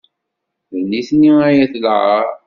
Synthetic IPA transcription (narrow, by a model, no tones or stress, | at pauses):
ənːiθniwæjæθlʕəɾ